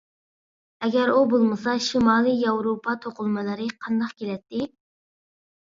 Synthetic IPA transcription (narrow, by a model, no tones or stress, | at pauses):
ɛɡʲɛɾubolˠmɨsɑʃimɑːlˠɨjɑwɾopʰɑt̪ʰoqʊlˠmɨlˠɨɾɨqʰɑnd̪ɑqkʲelɛt̪ːɪ